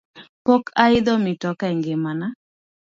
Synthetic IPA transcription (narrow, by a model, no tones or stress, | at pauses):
pokʰaɪd̪ɔmɪtɔkaɛŋɡɪmana